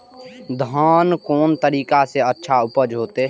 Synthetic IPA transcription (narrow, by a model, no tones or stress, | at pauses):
d̪ʱaːnkoːnt̪əɾiːkaseətːʃʰaʊpəd͡ʒɦoːt̪e